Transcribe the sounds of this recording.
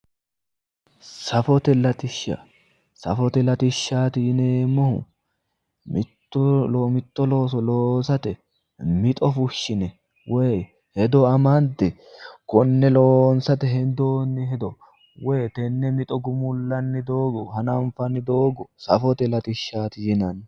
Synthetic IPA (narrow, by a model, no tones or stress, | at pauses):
sɐfɔt̪ɛlɐt̪ɪʃa̰ | sɐ̰fɔt̪ɛlɐt̪ɪʃːaːt̪ɪneːmːɔhʊ̰ | mɪtːlomɪt̪ːɔlo̞ːs̬ɔloːsɐt̪ɛ | mɪt̪ʼɔfʊʃːɪnɛ | wʔe | hɛd̪ɔɐmɐnt̪ɪ | kɔnːɛloːnsɐt̪ɛɦɛnd̪oːnːɪɦɛd̪ɔ | weːt̪ɛnːɛmɪt̪ʼɔɡʊmʊlːɐnːɪd̪oːɡɔhɐnɐɱfɐnːɪd̪o̞ːɡɔsɐfɔt̪ɛlɐt̪ɪʃːaːt̪ɪjɪnɐn